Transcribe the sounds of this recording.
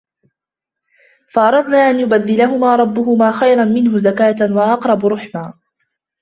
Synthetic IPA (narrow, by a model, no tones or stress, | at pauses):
faʔɑɾˤɑd̪ˤnaːʔanjʊbaðːɪlaɦʊmaːɾˤɑbːʊhʊmaːxajɾanmɪnɦʊzakaːt̪waʔɑqɾˤɑbɾˤʊħmaː